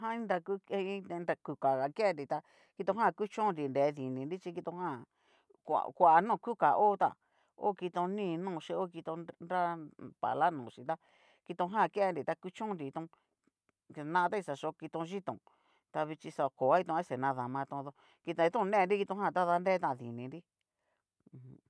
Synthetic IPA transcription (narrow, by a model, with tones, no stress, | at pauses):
ɦã˦ĩ˦nɾa˧ku˦ĩ˦˧nɾa˧ku˧ka˨ɣa˨ke˦e˧nɾi˨t̪a˧ | ki˧t̪õ˧ɦã˦˨˧ku˦t͡ʃõ˦˧nɾi˨nde˨˦˧ði˨nĩ˨nɾi˦t͡ʃi˧ki˧t̪õ˧ɦã˦˨ | kʷa̰˨kʷa˨nõː˦˨˧ku˦ka˨ʔo˦t̪a̰˧˨ | o̰˦ki˧t̪õ˧nĩː˦˧˨nũː˦˧˨ʃi˧o˦˧ki˧t̪õ˧nɾa˦pa̰˨la˦nũː˨ʃi˧t̪a˦˧ | ki˧t̪õ˧ɦã˦˨˧ke˦˧ɾi˨t̪a˧ku˦t͡ʃũ˦nɾi˧t̪ũ˧ | nã˧t̪a˦i˧sa˧ʃo˧˦˧ki˧t̪õ˧ʒi˦t̪õ̰˨ | t̪a˧βi˧t͡ʃi˧sa˧ko˨a˦i˧˦t̪õ˧˦e˦se˨nã˧ða˧mã˧t̪õ˧ðo˧ | ki˧t̪õ˧i˧t̪ũ˦˧nẽ˦˧ɾi˦ki˧t̪õ˧˦ɦã˦˧˨t̪a˦ða˧nde˦t̪ã˧˨ðḭ˨nĩ˨˧ɾi˦˧ | h